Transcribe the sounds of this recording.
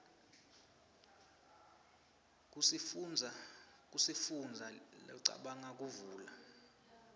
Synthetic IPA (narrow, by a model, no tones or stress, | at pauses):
knʱ | k̬ʼusifund͡zʱalɔ̰ǀa̰ɓaŋak̬ʼuvuːla